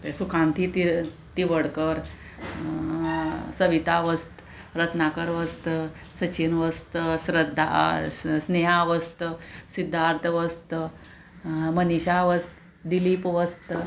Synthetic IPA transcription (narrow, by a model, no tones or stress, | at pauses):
pesukʰãnt̪ʰit̪i | t̪iʋəɽkəɾ | səʋit̪aʋəst̪ | ɾət̪ʰnakəɾʋəst̪ə | sət͡ɕinʋəst̪əsɾəd̪ʱːa̰sneɦaʋəst̪əsid̪ʱːaɾt̪ʰəʋəst̪ | məniɕaʋəst̪ | d̪ilipʋəst̪